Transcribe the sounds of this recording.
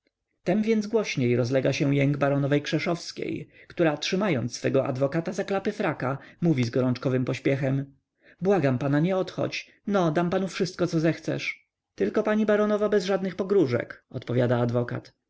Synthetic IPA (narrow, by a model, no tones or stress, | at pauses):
t̪ɛmvʲjɛnd̪zɡwɔɕɲejɾɔzlɛɡaɕɛwjɛŋɡbaɾɔnɔvɛjkʂɛʂɔfskʲḛjkt̪uɾatʂɘmajɔnt̪sfɛɡɔʔa̰d̪vɔkat̪azaklapɘfɾakamuvʲizɡɔɾɔnt͡ʂkɔvɘmpɔɕpʲjɛxɛm | bwaɡampanaɲɛɔt̪xɔ̰t͡ɕ | nɔd̪ampanufʂɘst̪̚kɔt̪ɔzɛxt̪sɛ̰ʂ | t̪ɘlkɔpaɲibaɾɔnɔvabɛzʐad̪nɘxpɔɡɾuʐɛ̰kɔt̪pɔvʲjad̪aːd̪vɔka̰t̪